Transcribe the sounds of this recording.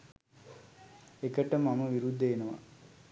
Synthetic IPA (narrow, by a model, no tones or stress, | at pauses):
ekəʈəmamɐʋiɾud̪ʱːeenɐʋa̰